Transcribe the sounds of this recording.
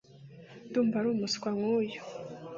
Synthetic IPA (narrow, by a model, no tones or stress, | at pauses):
duːmbvaɾuːmuskwaŋujo̥